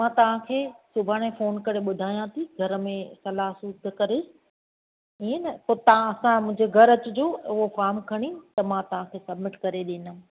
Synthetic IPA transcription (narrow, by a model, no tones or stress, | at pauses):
mãːt̪ɐʋ̤ãkʰeːsʊbʱaːɽ̃ẽfoːnkɐɾeɓʊd̪ʱaːijãt̪ʰiɡʱɐɾmẽsɐlaːɦsud̪ʱkɐɾes | iːnəpoːt̪ɐãɐsãmʊ̃ɦɪ̃d͡ʑeɡʱɐɾɐt͡ɕʊd͡ʑoːʊɦofaːmkʰɐɽ̃it̪ɐmãːt̪ɐʋ̤ãkʰeːsɐbmɪʈkɐɾeɗĩːnə